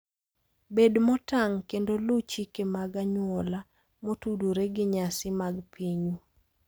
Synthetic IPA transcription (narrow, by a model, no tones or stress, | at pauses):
bedmɔtaŋkendolut͡ʃikemaɡaɲwɔla | motuduɾeɡɪɲasɪmaɡpʰiɲu